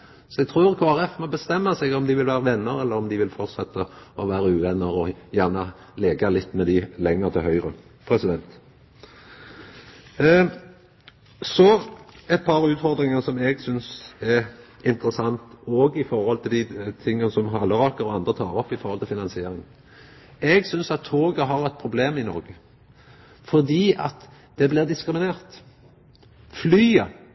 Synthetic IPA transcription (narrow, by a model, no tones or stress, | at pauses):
sɔɛɡ̚t̪ʰɾʉːʁkʰoːæʁɛfmɔbəst̪ɛmːəsɛɡɔmd̪ɪʋɪlʋæːʁəʋɛnːəʁɛlːəɾɔmd̪ɪʋɪlfɔʁt̪sɛt̪ːəɔʋæːɾəʉːʋɛnːəʁɔjæːʁnə | leːɡɑlɪt̪ːmɛd̪ɪlɛŋːəʁt̪ʰɪlɦœʏɾəpʰɾɛsɪd̪ɛnt̪ | sɔɛt̪̚pʰɑɾʉːt̪fɔɾd̪ɾɪŋɑsɔmɛɡsʏnsɛʁɪnt̪ɾəsɑnt̪ɔːɡɪfɔɾhɔlt̪ʰɪld̪ɪt̪ʰɪŋːənsɔmɦɑlːəʁɑːkəɾɔɑnd̪ʁət̪ʰɑ̰ːʁɔpːɪfɔɾhɔlt̪ʰɪlfɪnɑnsɪeːɾɪŋ | ɛɡsʏnsɑt̪ʰːoːɡəɦɑʁɛt̪̚pʰɾʊbleːmɪnɔ̰ɾɡə | fɔʁd̪iːɑ̰t̪ | d̪̥ɛblɪːʁd̪ɪskɾɪmɪneːʁt̪ | flyːə